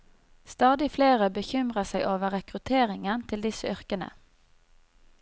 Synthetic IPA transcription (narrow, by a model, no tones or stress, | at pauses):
st̪ɑːd̪ɪfleːʁəbəçʏmʁəsæɪʔoːʋəʁɛkʁʉt̪ʰeːʁɪŋənt̪ʰɪld̪ɪsəœʁkənə̰